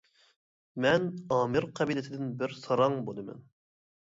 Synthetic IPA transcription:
mɛnɑːmɨɾqʰɑbilɪt̪ɪd̪ɪnbɪɾsɑɾɑŋbolˠd̪ɨmɛ̰n

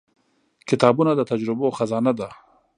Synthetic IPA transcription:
kɪt̪ɑːbunad̪ət̪ad͡ʒɾɪboxazɑnad̪a

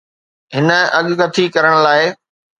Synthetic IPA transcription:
ɦɪnə̆ɐɠkɐt̪ʰikɐɾəɽ̃ʊlaːɪ

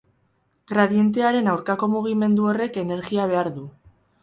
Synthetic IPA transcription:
ɣɾaðje̞nt̪̬eaɾe̞nawɾkako̞muɣ̞ime̞nd̪uo̞re̞ke̞ne̞ɾɣiaβ̞e̞aɾðu

